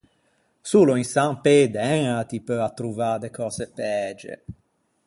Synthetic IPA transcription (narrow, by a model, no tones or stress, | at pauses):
suːloinsamped̪ɛŋat̪ipøat̪ːɾuvad̪ekɔːzepɛd͡ʒḛ